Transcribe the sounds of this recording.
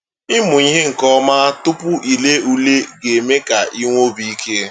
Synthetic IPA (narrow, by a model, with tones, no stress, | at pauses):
ɪ˦mʊ˨i˦ɦe˦ŋ̩˨kɔ˦ma˦tʊ˦pʊ˦ʔi˨le˦u˦le˦ɡe˨me˦ka˨i˦ŋʷo˦bi˦i˦kʰe˦